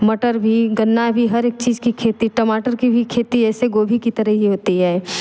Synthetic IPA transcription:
mɐʈəɾbʱiɡɐnːabʱiɦɐɾeːk̚t͡ʃiːd͡ʒkikʰeːt̪iʈəmaːʈəɾkibʱikʰeːt̪iɛːseɡoːbʱikit̪ɐɾəɦɦiɦoːt̪iɦɛe

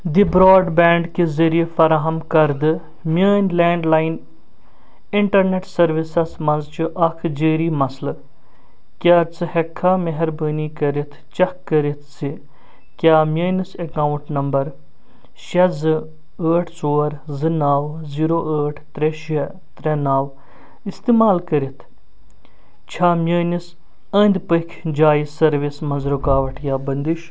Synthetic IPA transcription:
d̪ibɾoːɖbɛːɳɖkezɐɾijefɐɾaːɦɐmkɐɾd̪ɨ | mjəːnʲlɛːɳɖlaːin | ɪɳʈɐɾneʈsɐɾʋisɐsmɐnzt͡ʃiʔɐkʰd͡ʒəːɾiːmɐsl | kʲjaːt͡sɨhekʰːaːmɐɦɐɾbəːniːkɐɾit̪ʰt͡ʃɐkːɐɾit̪ʰt͡si | kʲjaːmʲjɐːnisɐkaːwuɳʈnɐmbɐɾ | ʃɐzɨ | əːʈʰsoːɾzɨnaːw | ziːɾoːʔəːʈʰt̪ɾeʃɐ | t̪ɾɛnaːw | ist̪eːmaːlkɐɾit̪ʰ | t͡ʃʰaːmjɐːnis | ɐːnd̪pəkʰd͡ʒaːisɐɾʋismɐnzɾukaːʋɐʈʰjaːbɐnd̪iʃ

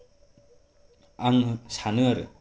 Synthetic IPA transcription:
aŋsʰanɯaɾɯ̰

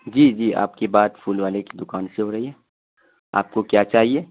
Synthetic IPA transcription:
d͡ʒiːd͡ʒiːa̰ːp̚kebaːd̪fʰuːlʋaːleki̥d̪ʊkaːnseɦoɾɐɦiɦɛː | a̰ːp̚kokjaːt͡ʃaːɦieː

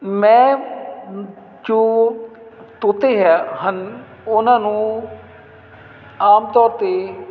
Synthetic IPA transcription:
mɛ̃ː | d͡ʒoː | t̪ʊt̪eːɦaːɦən | ʊnãːnũː | aːmt̪ɔːɾt̪eː

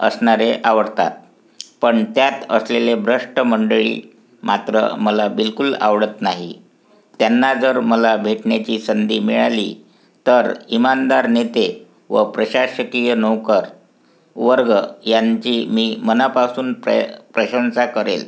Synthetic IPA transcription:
ə̰sɳaɾeʔaʋəɽt̪a̰t̪̚ | pəɳt̪jat̪ə̰slelebʱɾəʂʈəməɳɖɭḭː | mat̪ɾə̰məlabilkula̰ʋɽət̪naɦḭ | t̪janːad͡zəɾməlabʱeʈɳjat͡ɕiːsənd̪iːmiɭalḭ | t̪əɾimand̪aɾnet̪e | ʋə̰pɾəɕaɕəkijənəwkəɾ | ʋəɾɡəjaɲt͡ɕiːmiːmənapasuːnppɾəɕənsakəɾḛl

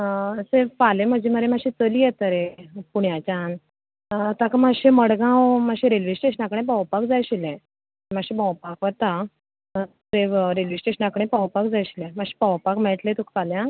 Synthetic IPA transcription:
seʋfalẽmad͡ʑiməɾemaɕĩt͡səlijɛt̪əɾẽpuɳjat͡ɕan | t̪akamaɕĩməɽɡãwm̤aɕĩɾelʋisʈeɕənakɽ̃ẽbawpakd͡zajɕilɛ̃ | maɕĩbawpakʋət̪a | seʋɾelʋisʈeɕənakɽ̃ẽpawpakd͡zajɕilɛ̃maɕi̥pawpakmɛʈlet̪ukfaljã

